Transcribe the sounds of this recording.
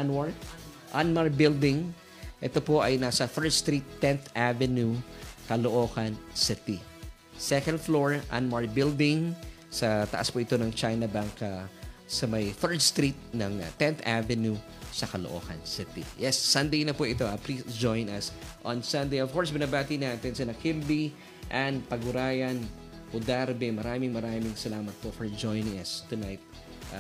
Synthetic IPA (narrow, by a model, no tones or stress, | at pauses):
nwaɹk | ʔanmaɹbɪld̪ɪ̃ŋ | ʔɛt̪opoʔɐjnasɐθɛɹd̪st̪ɾit̪ːɛ̃nθʔavɛnjukɐloʔoːkɐnsɪt̪i | sɛkɐnd̪floɹʔa̰nmaɹbɪld̪ɪ̃ŋ | sɐt̪ɐ̰ʔaspʊʔɪt̪o̞nɐŋt͡ʃajnɐbaŋkɐsɐmɐjθɛɹd̪̚st̪ɾit̪̚nɐŋ̰t̪ɛ̃nθavɛnju | sɐkɐloʔo̞̰ːkɐ̰nsɪt̪ḭjɛsːɐnd̪ejnɐpuʔɪt̪o̞ʔapɾid͡ʒojnɐsʔõnsɐ̃nd̪ejov̥koɹsbɪnɐbaːt̪inaːt̪ɛnsɐnɐkɪmli | ʔɐnpɐɡʊɾaːjɐn | ʔʊd̪aɾbɛmɐɾaːmɪŋmɐɾaːmɪŋsɐlaːmɐt̪̚pofɔɹd͡ʒojnɪŋɐst̪ʊnajt̪̚